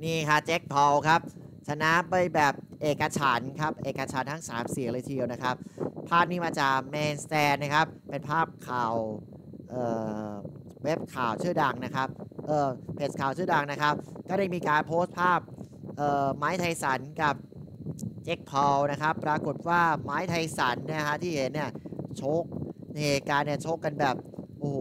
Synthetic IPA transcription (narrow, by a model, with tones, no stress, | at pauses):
niː˥˩kʰa˥˩t͡ɕe˦˥k̚pʰɔː˧wkʰa˦˥p̚t͡ɕʰa˧na˦˥pa˧jbɛː˨˩p̚ʔeː˨˩kːa˧t͡ɕʰa˩˦nkʰa˦˥p̚ʔeː˨˩kːa˧t͡ɕʰa˩˦nt̪ʰa˦˥˩ŋsaː˩˦msi˨˩˦lɤː˧jt̪ʰi˧əwna˦˥kʰa˦˥p̚pʰːaː˥˩p̚niː˦˥˩maː˧t͡ɕaː˨˩k̚mɛː˧nst̪ɛː˧nːa˦˥kʰa˦˥p̚ːe˧npʰaː˥˩p̚kʰaː˨˩w | ʔɤː˨˩ | we˦˥p̚kʰaː˨˩wt͡ɕʰɯː˥˩da˧ŋna˦˥kʰa˦˥p̚ʔɤː˨˩pʰe˨˩t̪̚kʰaː˨˩wt͡ɕʰɯː˥˩da˧ŋna˦˥kʰa˦˥p̚kɔː˥˩ɾaː˥˩jmiː˧kaː˧npʰoː˦˥st̪̚pʰaː˥˩p̚ | ʔɤː˨˩maː˦˥jt̪ʰa˧jsa˩˦nka˨˩p̚ | t͡ɕe˦˥k̚pʰɔː˧wna˦˥kʰa˦˥pːɾaː˧ku˨˩t̪̚waː˥˩maː˦˥jt̪ʰa˧jsa˩˦nːi˦˥˩kʰa˦˥t̪ʰiː˥˩he˩˦nːi˥˩ɐt͡ɕʰoː˦˥˩k̚na˧jheː˧kaː˧nːi˥˩ɐt͡ɕʰoː˦˥kːa˧nbɛː˨˩p̚ʔoː˧˩hoː˨˦